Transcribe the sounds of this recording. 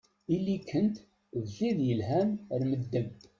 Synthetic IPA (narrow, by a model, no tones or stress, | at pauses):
ilːikʰːənt̪ | ðziðjəlɦæmɾməd̪ːəm